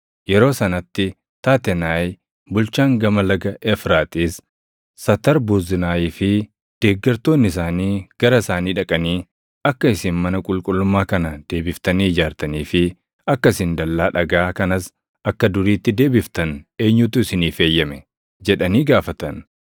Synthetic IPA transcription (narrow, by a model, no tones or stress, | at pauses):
jɛɾo̞ːsɐnɐt̪ːɪ | t̪aːt̪ɛnaːj | bʊlt͡ʃaːŋɡɐmɐlɐɡɐʔɛfɾaːt̪ʼiːs | sɐt̪ɐɾbuːzɪnaːjiːfɪ | d̪̥eːɡːɐɾt̪o̞ːnːɪs̬aːniːɡ̥ɐɾɐsaːniːᶑɐkʼɐniː | ɐkːɐɪsɪnmɐnɐkʼʊlkʼʊlːʊmːaːkɐnɐd̪̥e̞ːbɪft̪ɐniːɪd͡ʒaːɾt̪ɐniːfɪ | ɐkːɐsɪnd̪ɐlːaːᶑɐɡaːkɐnɐs | ɐkːɐd̪ʊɾiːt̪ːɪd̪e̞ːbɪft̪ɐne̞ːɲːut̪ʊɪsɪniːfe̞ːjːɐmɛ | d͡ʒɛᶑɐniːɡaːfɐt̪ɐn